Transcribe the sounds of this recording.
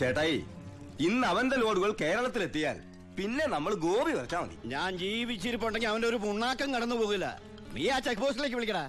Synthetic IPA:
t͡ɕeːʈːaːji | inːɨɐʋɐnd̪ɐlo̞ːɽuɣɐɭke̞ːɾɐɭɐt̪ːile̞t̪ːija̰ːl | pinːe̞nɐmːɐɭɡo̞ːbiʋɐrɐt͡ɕːaːmʋɐ̰nːḭɲaːnd͡ʑiːʋit͡ɕːiɾupːoːɳɖeŋɡilɐʋɐndeo̞ɾupuɳːaːkːɐmkɐɽɐnːupoːɣilːɐ̰ | mijaːt͡ɕekspoːs̬ʈile̞ːk̬ːɨʋiɭikʲːɐɽaː

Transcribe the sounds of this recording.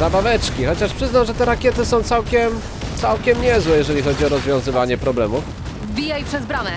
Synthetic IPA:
zabavɛt͡ʂkʲixɔt͡ɕaʂpʂɘznawʐɛt̪ɛɾakʲjɛt̪ɘsɔ̃w̃tsawkʲɛm | t̪sawkʲɛmɲɛzwɛjɛʐɛlʲixɔd͡ʑiɔɾɔzvʲjɔ̃w̃zɘvaɲɛpɾɔblɛmuf | bʲijajpʂɛzbɾamɛ

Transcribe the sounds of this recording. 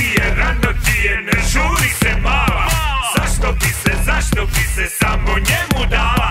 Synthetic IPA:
ijɛɾanot̪ijɛnɛʒuːɾisɛmaːlaz̥aʃt̪obisɛzaʃt̪obisɛsamoɲemud̪aːla

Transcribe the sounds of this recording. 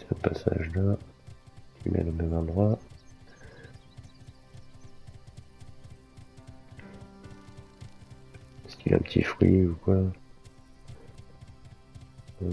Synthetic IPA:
sɛ̃pasaʒla | kʰimɛ̰ləmɛmɑ̃d̪ʁwa | stilʔã̰pət̪ʰifχɥḭukwa

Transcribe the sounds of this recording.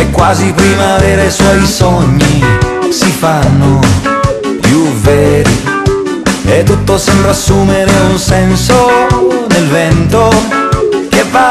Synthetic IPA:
ekːwaːzipɾiːmaːveːɾeswɔjisoɲːisifanːo | ljuvɛːɾi | et̪ːut̪ːosɛmbɾaːsːumeɾeunsɛnsonelvɛnt̪o | keva

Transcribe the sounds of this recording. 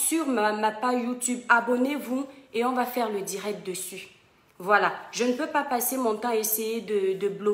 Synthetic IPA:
syʁmamapaʒjut̪ybabɔnevueɔ̃vafɛʁləd̪iʁɛk̚t̪̚d̪əsy | vwalaʒənəpøpapasemɔ̃t̪ɑ̃aesejed̪əd̪əblɔ

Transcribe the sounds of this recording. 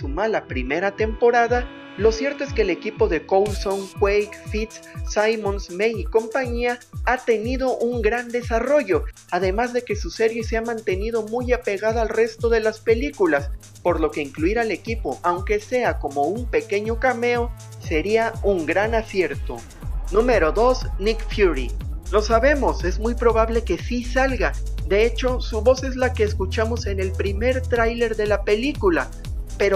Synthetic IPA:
sumalapɾime̞ɾat̪e̞mpo̞ɾaða | lo̞sje̞ɾt̪o̞eskeːle̞kipo̞ðe̞kowlso̞ŋkwejkfit̪ssajmonsmejiko̞mpaɲiaat̪e̞niðo̞ʔuŋɡɾand̪e̞saro̞ʝo̞ | aðe̞mazðe̞ke̞suse̞ɾjeseamãnt̪e̞nið̞o̞mujape̞ɣaðaalre̞st̪o̞ðe̞laspe̞likulas | po̞ɾlo̞ke̞iŋkluiɾale̞kipo̞ʔawŋke̞se̞ako̞mo̞umpe̞ke̞ɲo̞kame̞o̞ | se̞ɾiauŋɡɾanasje̞ɾt̪o̞̰ | nũme̞ɾoðo̞snikfjuɾino̞saβe̞mo̞se̞zmujpɾo̞β̞aβle̞ke̞sisalɡad̪e̞et͡ʃo̞suβo̞se̞zlake̞ːs̬kut͡ʃamo̞se̞ne̞lpɾime̞ɾt̪ɾajle̞ɾðe̞lape̞likula | pe̞ɾo

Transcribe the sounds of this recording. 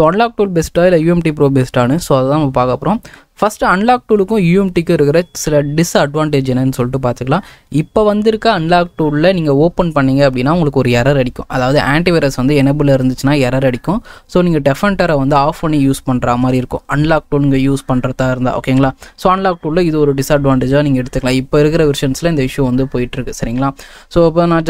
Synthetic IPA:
soːɐnlaːk̚ʈuːlbeːsʈaɪlːɐjuːɛmʈip̬ɪɾoːbeːsʈaːnɯsoːɐðɐt̪ãːnɐmːɐpaːkɐpːɯɾõː | fɐsʈɯɐnlaːk̚ʈuːlɯkːʊ̃juːɛmʈikːɯɪɾɯkːɪɾɐsɪlɐɖɪsɐɖʋãːɳʈeːd͡ʒɛnːɐnːɯsɔlːɪʈːɯpaːɾt̪ɯkːɐɭãː | ɪpːoʋɐnd̪ɪɾɯkːaɐnlaːk̚ʈuːllɐniːŋɡɐoːpɐnpɐɳːiːŋɡɐɐpːɐɽɪnːaːʊŋɡɐɭɯkːɯɔɾɯjɛɾɐɾɐɽɪkʲːʊ̰̃ʔɐðaːʋɐðɯʔaːɳʈiʋeːɾɐsʋɐnd̪ɯɛnɐbɯlɐɪɾɯnd̪ɯt͡ʃːɯnaːjɛɾɐɾɐɽɪkʲːʊ̃soːniːŋɡɐɖɛfɪnɛʈːɐɾɐʋɐnd̪ɯaːfonijuːspɐɳːɾamaːd̪ɾiɪɾɯkːʊ̰̃ɐɳlaːk̚ʈuːlniːŋɡɐjuːspɐɳɾɐt̪ːãːɪɾɯnd̪a̰ːo̰ːkːeːŋɡɐɭaːsoːɐnlaːk̚ʈuːllɐɪðɯɔɾɯɖɪsɐɖʋaːɳʈeːd͡ʒaːniːŋɡɐɛɽɯt̪ːɯkːɐlãːɪpːoɪɾɯkːɪɾɐʋɛɾʂɐnslɐɪnd̪ɐʋɪʂɐjɐ̃ʋɐnd̪ɯpoːjɪʈːɪɾɯkːɯsɐɾɪŋɡɐɭaːsoːɪpːonãː

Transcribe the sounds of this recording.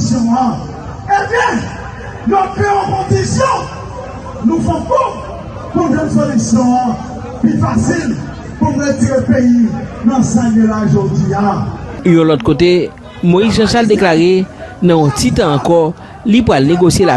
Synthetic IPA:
sjɔ̃ã | ebjɛ̃ | nofɛ̃ɔ̃kɔ̃disjɔ̃ | nũfɔ̃kɔ | kũʒɛ̃nsolysjɔ̃ʌ̃ | pifasil | pumlet̪epeinãsãɲẽlaʒod͡ziajɔ̃lɔt̚kote | moizʒãsaldeklaʁenɐ̃ɔ̃titãːkɔ | lip̬ɣalneɡosjela

